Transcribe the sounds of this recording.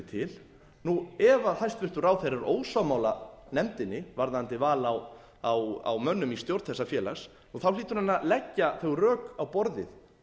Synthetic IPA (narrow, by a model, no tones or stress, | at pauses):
t̪ʰɪl | nuɛvaθajst̪vɪr̥t̪ʏraːwθejɾaɾʔoːwsamawlanɛmt̪ɪnːɪvaɾðant̪ɪvaːlaw | awa̰wmœnːʏmist̪jowɾt̪θɛsːafjɛːla̰xs | nuθawliːt̪ʏɾnanːalɛcːaθœwrœːkawpɔɾðɪ̰θ